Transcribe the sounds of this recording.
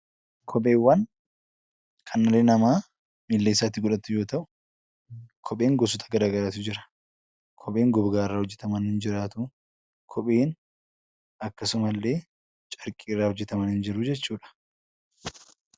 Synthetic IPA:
kʰɔpʼeːwːɐn | kʰɐnːɐleːnɐmaː | miːlːeːsːaːt̪ːɪɡʊᶑɐt̪ːʊjo̞ːt̪ɐʔʊ̥ | kʰɔɓʼe̞ːŋɡɔsʊt̪ʰɐ̥ɡɐɾaːɡɐɾaːt̪ʊd͡ʒɪɾɐ̥ | kʰɔɓʼe̞ːŋɡɔbɡaːɪrːaːhɔd͡ʒːɛ̥t̪ʰɐmɐnhɪnd͡ʒɪɾaːt̪ʊ | kʰɔɓʼe̞ːn | ɐkːɐsʊmɐlːe̞ː | t͡ʃʼɐɾkʼiːɪrːaːhɔd͡ʒːɛt̪ɐmɐnhɪnd͡ʒɪɾʊd͡ʒɛt͡ʃːuːᶑɐ̥

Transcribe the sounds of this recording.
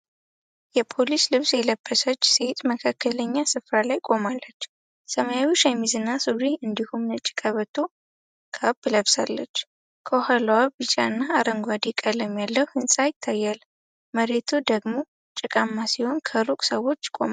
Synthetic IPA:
jɛpʰo̞lislɨβsjɛləbːəsət͡ʃːse̞t̪ʼməkʰakʰːələɲːasɨfɾalajkʼo̞malːət͡ʃː | səmajawiʃɛmːizɨnːasuɾiɨnd̪ihumnɨt͡ʃʼi̥kʼəβət̪ʰːo̞ | kʰabɨləβsa̰lːət͡ʃː | kʰohəlwabɨt͡ʃʼaɨnːaːɾəŋɡʷad̪ekʼaləmːjalːəwhɨnsʼajɪt̪ʰːajːal | məɾe̞t̪ʰud̪əɡmo̞ | t͡ʃʼɪkʼamːasiho̞nkʰəɾukʼsəwo̞t͡ʃːkʼo̰m

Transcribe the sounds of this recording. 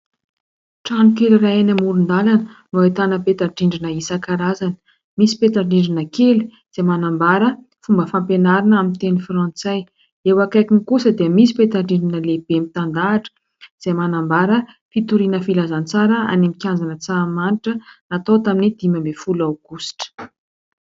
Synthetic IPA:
ʈ͡ʂanukeliraenamuɾund̪alanənuat̪anəpet̪aɳɖ͡ʐiɳɖ͡ʐinəisakaɾazanə̥ | misi̥pet̪aɳɖ͡ʐiɳɖ͡ʐinəkeli̥ | z̥emanambaɾə | fumbəfampenaɾanamint̪enifrãnt͡saj | ewakajkinikusəd̪iəmisi̥pet̪aɳɖ͡ʐiɳɖ͡ʐinəlebemit̪and̪aːʈ͡ʂə̥ | z̥emanambaɾə | fit̪uɾinəfilazant͡saɾəa̰nemikʲjanzanət͡samaniʈ͡ʂənat̪ot̪aminid̪̥imambefulawɡ̥usi̥ʈ͡ʂə̥

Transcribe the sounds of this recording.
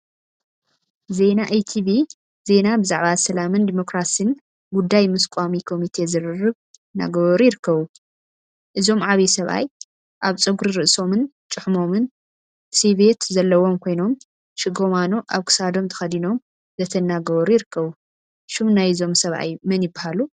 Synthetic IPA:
ze̞naʔejt̪ʰiβi | ze̞nabɨzaʕβasɐlamɨnd̪imo̞kɾasɨn | ɡud̪ːajmɨskʷʼamikʰo̞mit̪ʰe̞zɨɾɨrɨβ | na̰ɡɐβɐɾujɪɾɨkːɐβu | ʔɨzo̞mʕaβisɐβʔa̰j | ʔaβt͡sʼɨɡuɾɨɾɨʔso̞mɨnt͡ʃʼɨħmo̞mɨn | siβe̞t̪zɐlːɐwo̞mkʰo̞jno̞m | ʃɪɡomanoʔaβkʰɨ̥sad̪o̞mt̪ʰɨ̥xɐd̪ino̞m | zɐt̪ʰɐnːaɡɐβɐɾujɪɾɨkʰːɐβu | ʃumnajɨzo̞msɐβʔa̰jmɐnjɪbːahalu

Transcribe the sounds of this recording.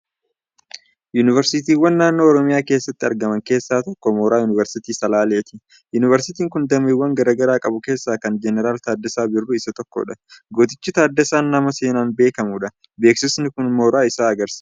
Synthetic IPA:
junɪvɛɾsɪt̪iːwːɐnːaːnːo̞ːɔɾɔmɪjaːke̞ːsːɐt̪ːɪɐɾɡɐmɐŋke̞ːsːaːt̪ɔkːɔmoːɾaːjʊnɪvɛɾsɪt̪iːsɐlaːleːt̪ɪ | jʊnɪvɛɾsɪt̪iːŋkʊnd̪ɐmiːwːɐŋɡɐɾaːɡɐɾaːkʼɐbʊke̞ːsːaːkɐnd͡ʒɛnɛɾaːlt̪aːd̪ːɛsaːbɪrːʊɪsɐt̪ɔkːo̰ᶑɐɡot̪ɪt͡ʃːɪt̪aːd̪ːɛsaːnːɐmɐse̞ːnaːnbe̞ːkɐmuːᶑɐ | beːksɪsnɪkʊnmoːɾaːɪsaːɐɡɐɾsɐ̥

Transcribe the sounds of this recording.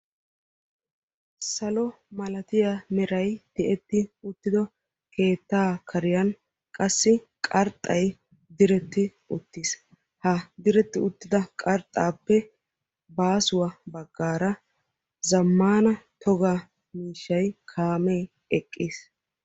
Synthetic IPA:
sɐlɔ | mɐlɐt̪ɪjamɛɾɐjd̪̥ɪʔɛt̪ːɪʊt̪ːɪd̪ɔ | kʰe̞ːt̪ːaːkʰɐɾɪjɐn | kʼɐsːɪ | kʼɐɾt̪ʼːɐj | d̪ɪɾɛt̪ːɪ | ʊt̪ːiːs | hɐd̪ɪɾɛt̪ːɪʊt̪ːɪd̪ɐkʼɐɾt̪ʼːaːpːɛ | baːsʊwɐbɐɡːaːɾɐ | zɐmːaːnɐt̪ʰɔɡa | miːʃːɐjkʰaːmeː | ɛkʼːiːs

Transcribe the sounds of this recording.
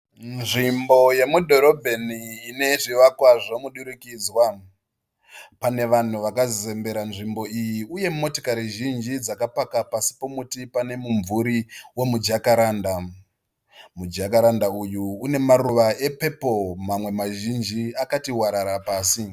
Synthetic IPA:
nʐimbo̞je̞mudʱo̞ɾo̞bʱe̞niːne̞ʐiʋakwaʐomuɗuɾukiːd͡zwa | pane̞ʋan̤uʋakazize̞mbe̞ɾanʐimbo̞ijiuje̞mo̞to̥kaɾiʒind͡ʒid͡zakapakapasi̥po̞mutipane̞muɱvuɾiwo̞mud͡ʒakaɾaːnda | mud͡ʒakaɾandaujuːne̞maruʋae̞pe̞po̞mamwe̞maʒind͡ʒiakatiwaɾaɾapaːsi

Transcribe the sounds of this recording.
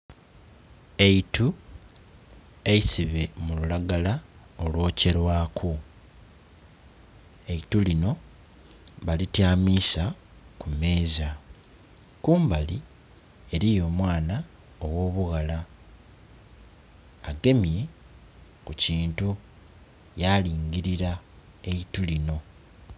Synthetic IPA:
e̞itu | e̞isiβe̞mululaɡala | o̞lwo̞ːce̞ɾwaːkʰu | e̞itulino̞ | βalitjaːmiːsa | kume̞ːza | kuːmbali | e̞ɾijo̞ːmwaːna | owo̞ːβuɣala | aɡe̞mje | kuciːntu | jaliːŋɡiɾiɾa | e̞itulino̞

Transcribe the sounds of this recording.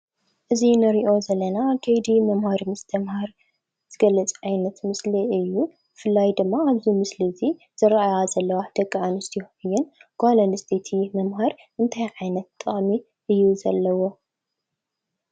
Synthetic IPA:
ʔɨzinɨɾiʔo̞zɐlːɐnakʰɐjd̪imɐmhaɾimɨst̪ʰɐmhaɾ | z̥ɨɡɐlːɐt͡sʼʕajnɐt̪mɨsliɨjːu | bɨfɨlːajd̪ɨmːaaβzimɨslizi | z̥ɨɾʔajazɐlːɐwad̪̥ɐkʼːʕanɨst̪ʰijoɨjːɪnɡ̥alɐnɨst̪ʰet̪ʰimɐmhaɾ | ʔɨnt̪ʰajʕajnɐt̪ːɨχʼmi | ʔɨjːuzɐlːɐwo̞

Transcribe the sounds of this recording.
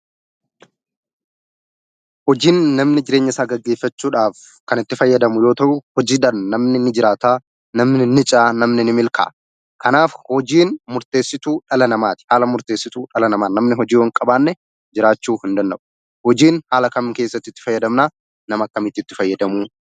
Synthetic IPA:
hɔd͡ʒiːnːɐmnɪd͡ʒɪɾe̞ːɲːɐɪsaːɡɐɡːeːfːɐt͡ʃːuːᶑaːf | kɐnɪt̪ːɪfɐjːɐd̪ɐmʊjo̞ːt̪ɐʔʊhɔd͡ʒiːᶑɐnːɐmnɪnɪd͡ʒɪɾaːt̪aː | nɐmnɪnɪt͡ʃʼaːnɐmnɪnɪmɪlkʰa̰ː | kʰɐnaːfhɔd͡ʒiːnmʊɾt̪e̞ːsːɪt̪uːᶑɐlɐnɐmaːt̪ɪ̥haːlɐmʊɾt̪e̞ːsːɪt̪uːᶑɐlɐnɐmaːnnɐmnɪɦɔd͡ʒiːwɐŋkʼɐbaːnːɛ | d͡ʒɪɾaːt͡ʃːuːhɪnd̪ɐnd̪ɐbʊ̥ | hɔd͡ʒiːnhaːlɐkɐmke̞ːsːɐt̪ːɪt̪ːɪ̥fɐjːɐd̪ɐmnaː | nɐmɐkːɐmɪt̪ːɪt̪ːɪ̥fɐjːɐd̪ɐmuː

